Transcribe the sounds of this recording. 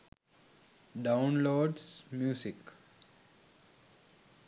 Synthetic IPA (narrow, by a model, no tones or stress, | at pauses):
ɖãʊnloːɖsmjuːsik